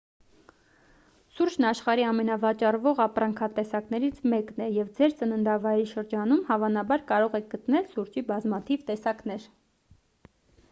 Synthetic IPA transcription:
suɾt͡ʃnɑʃχɑɾiɑmɛnɑvɑt͡ʃɑrvɔʁɑpɾɑŋkʰɑt̪ɛsɑknɛɾit͡sʰmɛknɛjɛvd͡zɛɾt͡sənənd̪ɑvɑjɾiʃəɾd͡ʒɑnumhɑvɑnɑbɑɾkɑɾɔʁɛk̚ʰɡət̪nɛlsuɾt͡ʃibɑzmɑt̪ʰivt̪ɛsɑknɛɾ

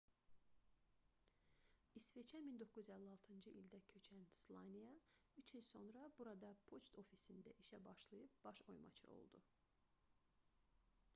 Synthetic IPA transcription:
isvet͡ʃʰæmind̪o̞kːuzyzælːiɑlˠt̪ʰɯnd͡ʒɯʔild̪æcʰøt͡ʃʰænslˠɑnʲijɑyt͡ʃʰilso̞nɾɑbuɾɑd̪ɑpʰot͡ʃt̪ʰo̞fisind̪æ̰ʔiʃæbɑʃlˠɯjɯp̚b̥ɑʃo̞̰jmɑ̰t͡ʃʰɯ̰o̞̰lˠd̪u

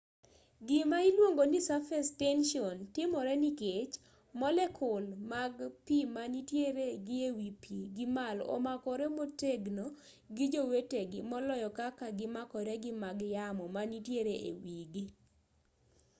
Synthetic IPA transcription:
ɡɪmailwoŋɡonisafɛstɛnʃiɔntɪmɔɾɛniket͡ʃ | mɔlɛkʰʊlmaɡpimanitjeɾeɡɪewipʰiɡɪmalɔ̰makɔɾɛmoteɡno | ɡɪd͡ʒoweteɡɪmɔlɔjɔkakaɡɪmakɔɾɛɡɪmaɡjamɔmanitjeɾeʔḛwiɡi

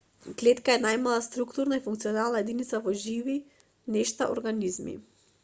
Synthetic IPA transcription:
ɡlɛt̪kaɛnajmalˠast̪ɾukt̪uɾnaifuŋkt̪siɔnalˠnaɛd̪init̪savɔʒivi | nɛʃt̪a̰ʔɔ̰ɾɡanizmḭ

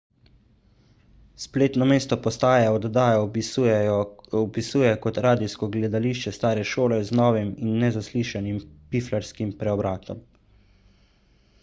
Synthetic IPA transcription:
spleːt̪nɔmeːst̪ɔpɔst̪aːjɛɔd̪d̪aːja | ɔpisuːjɛkɔt̪ɾaːd̪iskɔɡlɛd̪aliʃt͡ʃɛst̪aːɾɛʃoːlɛznɔːʋiminːɛzasliːʃanimpiflaɾskimpɾɛɔbɾaːt̪ɔ̰m

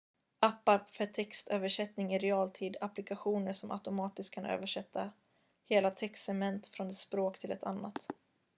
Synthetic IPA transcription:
ʔapːafœʈʰɛkst̪øːvəʂɛt̪nɪŋɪɾɛɑːlt̪ʰiːd̪aplɪkaɧuːnəʂɔmʔa̰ʊt̪ʊmɑːt̪ɪst̪̚kʰanø̰ːvəʂɛt̪ʰːa | heːlat̪ʰɛkst̪ɛmɛnt̪fɾɔnɛt̪spɾoːkt̪ʰɪlɛ̰t̪ʰa̰nːat̪

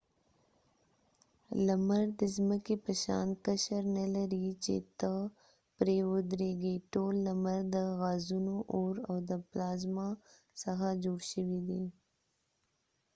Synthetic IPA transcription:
lamaɾd̪əzməkepəʃɑ̰nkaʃaɾnalaɾit͡ʃḛt̪ə | pɾeʊd̪ɾeɡeʈolːamaɾd̪əɣɑzunoʔoɾawd̪əplɑzma | saxad͡ʒoɽʃəwid̪i

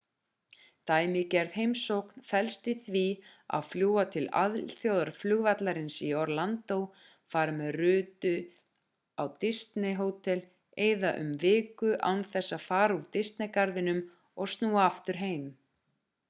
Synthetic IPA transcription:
t̪aːjmɪcɛɾðɦejmsowkn̥fɛlst̪ɪθvia̰ðfljuːat̪ʰɪla̰ðlθjowðaɾ̥flʏɣvat̪laɾɪnsiɔɾlant̪ow | faːɾamɛðrʏːt̪ʏ | awt̪ɪst̪nɪɦoːwt̪ʰɛl | eːjðaʔʏ̰mvɪːkʏʔa̰wnθɛsːafaːɾaut̪ɪst̪nɪkaɾðɪnʏm | ɔɣst̪nuːaaft̪ʏɾ̥ɦeːjm

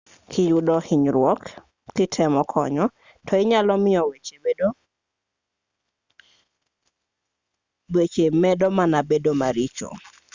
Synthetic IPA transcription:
kʰɪjudɔhiɲɾwɔk | kɪtʰɛmɔkʰɔ̰ɲɔ | tʰɔɪɲalɔmɪjɔwet͡ʃeedo | wet͡ʃemɛdɔmanabedomaɾit͡ʃo̰

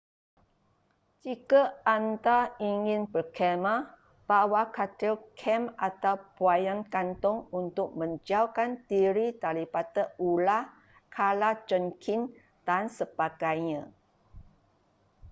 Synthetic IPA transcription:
d͡ʒikaant̪aiŋɪ̃nbərkʰɛmã | b̥awakat̪ilkʰɛmat̪awpuajankant̪ɔŋunt̪ʊk̚mə̃ɲd͡ʒauwkant̪iɾit̪alipat̪əula | kʰalad͡ʒɔnkʰin | d̥ansəb̥aɡajɲã

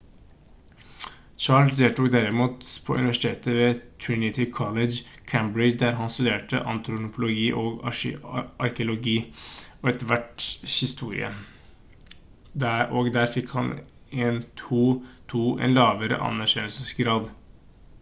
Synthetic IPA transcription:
t͡ʃɑːɭsd̪eːt̪ʰuːk̚d̪æɾɪmuːt̪pʰɔʔʉ̰nɪʋæʂɪ̥t̪ʰeːt̪əʋeːt̪ʰɹɪnɪt̪ʰɪkʰɔləd͡ʒkʰæmbɹɪd͡ʒd̪æɾɦɑnst̪ʉd̪eːʈə̰ʔɑ̰nt̪ɾʊnʊpʰʊlʊɡiːʔoːɡ | ʔɑɾkəʊlʊɡiːɔɛt̪əʋæʈhɪst̪uːɾɪ̰ə̰ | d̪æoɡd̪æːɾfɪkhɑn | eːnt̪ʰuːt̪ʰuːʔɛ̰nlɑːʋəɾə̰ʔɑ̰nːæɾçɛnːəlsəsɡɾɑːd̪

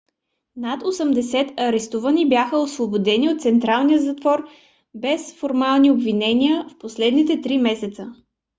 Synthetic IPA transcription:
nat̪osəmd̪ɛsɛt̪ɐɾɛst̪uvənibʲjaxəosvobod̪ɛniot̪t̪sɛnt̪ɾalˠnijəzɐt̪vɔɾ | bɛsfoɾmalˠniobvinɛnʲiəfposlɛd̪nit̪ɛt̪ɾimɛsɛt̪sə

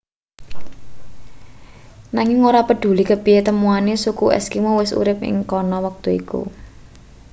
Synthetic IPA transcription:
naŋɪŋoɾapəɖ̥ṳlikəpiet̪əmuanesukuʔɛ̰skimowɪsṵɾɪp̚ɪ̰ŋkɔnɔwək̚t̪uḭkṵ

